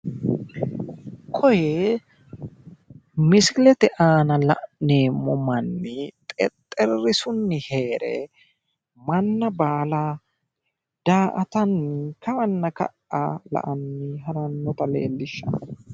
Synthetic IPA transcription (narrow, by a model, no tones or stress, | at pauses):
kʰɔjɛ | mɪsklɛt̪ɛʔaːnɐlɐ̰ʔne̞ːmːɔmɐnːɪt̪ʼɛ̰t̪ʼːɛrːɪsʊnːɪhe̞ːɾɛ̰ | mɐnːɐbaːla | d̪̥aːʔɐt̪ɐnɪkɐmɐnːɐkɐ̰ʔʔɐlɐ̰ʔɐnːɪɦɐɾɐnːɔt̪ɐlḛːlːɪʃːɐ̰